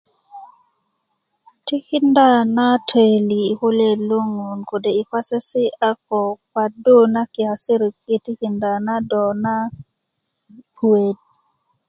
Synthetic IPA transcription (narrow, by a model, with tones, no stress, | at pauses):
ti˦kɪ˦nda˦na˦tʰe˨liː˨ko˦le˦lo˦ŋu˨nko˨de˨i˨kwa˦se˦sɪ˦a˦k̚ɔ˨ka˨do˦na˦kɪ˨a˨sɪ˦ɾi˨ki˦ti˦ki˨nda˨na˦dɔ˨na˦ | pwe˨d̚